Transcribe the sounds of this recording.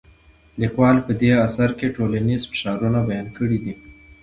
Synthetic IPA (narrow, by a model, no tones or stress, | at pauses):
likwɑlpəd̪easaɾkeʈolanizfɪ̥ʃɑɾunabajɑnkəɽid̪i